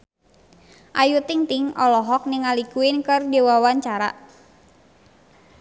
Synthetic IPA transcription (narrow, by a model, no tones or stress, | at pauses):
ʔajut̪ɪŋt̪ɪŋɔlɔɦɔk̚nɪŋalikuɪnkərdewawaɲt͡ʃaɾa̰